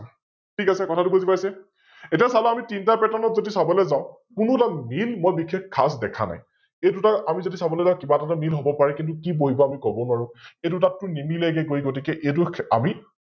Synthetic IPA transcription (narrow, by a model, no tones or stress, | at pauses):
tʰikasɛkɔtʰatʊbuzipajsɛ | etiasalɔamitintapɛtanɔtzodisabɔlɛzaʊ̃ | kʊnʊtamilmojbikʰːekkʰːasdɛkʰa̰na̰j | ejdʊtaamizodisabɔlɛzaʊ̃kibatatamilɦobɔpaɹɛkint̬ʊkiboɦibɔamikɔbɔnwaɹʊ̃etʊtatːʊnimilɛɡɛɡojɡot̬ikɛʔet̬ʊa̰mi